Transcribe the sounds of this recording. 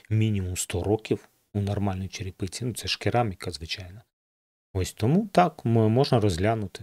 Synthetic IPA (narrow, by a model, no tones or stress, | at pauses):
mʲinʲimumst̪ɔɾɔkʲiw | unɔrmɑlʲnɔjit͡ʃeɾʲɪpɪt͡sʲinut̪sɛʃkɪɾɑmʲikɐzʋɪt͡ʃɑjnɐ | ɔsʲt̪ɔmut̪ɑkmɪmɔʒnɐɾɔzʲɦlʲanʊt̪ɪ̥